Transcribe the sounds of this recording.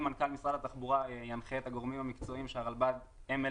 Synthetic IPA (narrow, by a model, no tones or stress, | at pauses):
mankalmisʁalat̪aχbuʁajanχeet̪haɡo̞ʁmimhamikt͡so̞imʃeaʁalbad̪ | eme